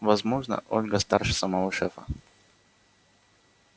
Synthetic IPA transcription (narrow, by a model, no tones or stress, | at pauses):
vɐzmoʐnə̰ʔolʲɡəst̪arʂɨsɐmɐvoʂɛfə̰